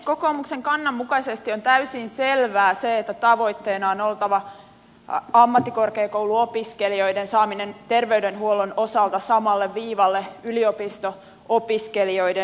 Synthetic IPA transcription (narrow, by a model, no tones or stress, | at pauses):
ko̞koːmukseŋkɑnːɑmːukɑisest̪io̞nt̪æysinse̞lʋæːseet̪ːæt̪ɑʋo̞jt̪ːe̞ːnɑonolt̪ɑʋɑ | ɑmːɑt̪ːiko̞rkeːkowluopiskelio̞jdensɑːmine̞nt̪e̞rʋe̞ydenɦuo̞luno̞sɑlt̪ɑsɑmɑlːeʋʋiːʋɑlːeyliopist̪o̞ | opiskelio̞jde